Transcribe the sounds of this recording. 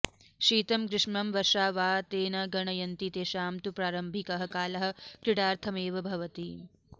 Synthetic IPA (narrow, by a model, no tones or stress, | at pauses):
ʃiːt̪ɐmkɾɪʂmɐmʋɐɾʂaːʋaːt̪eːnɐɡɐɳɐjɐnt̪it̪eːʃaːmt̪upɾaːɾɐmbʱikɐɦɐ̆kaːlɐɦɐ̆kɾiɽaːɾt̪ʰɐmeːʋɐbʱɐʋɐt̪i